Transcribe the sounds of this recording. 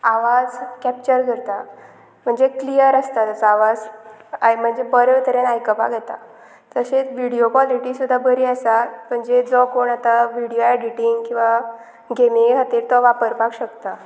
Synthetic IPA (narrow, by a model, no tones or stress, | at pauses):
aʋad͡zkɛp̚t͡ɕəɾkəɾt̪a | m̤əɳd͡zeklijəɾəst̪at̪ət͡saʋad͡zajm̤əɳd͡zebəɾeʋt̪ʰəɾenajkəpa̰ɡʱɛt̪a̰ | t̪əset͡sʋiɽijokʋɔliʈisud̪ʱːabəɾiasam̤əɳd͡zed͡zɔkoɳat̪aʋiɽijoɛɖiʈiŋɡkĩw̃ʋa | ɡemiɦat̪iɾt̪ɔʋapəɾpakɕəkt̪a